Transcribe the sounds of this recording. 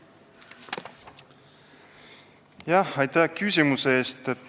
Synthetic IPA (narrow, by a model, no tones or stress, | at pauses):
jahɑjt̪ækysʲimuseeːst̪et̪ː